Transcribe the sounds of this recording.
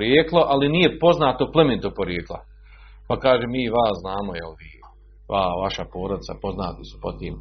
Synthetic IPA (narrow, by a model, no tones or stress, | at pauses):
ɾjeːklˠoʔaliniːje̞po̞znaːt̪oplˠement̪opoɾjeːklˠa̰ | pakaːʒeːmiːʋaːsznaːmojḛlʋiː | ʋaːʋaʃapo̞ːɾod̪isapo̞znaːt̪isu̥pot̪iːm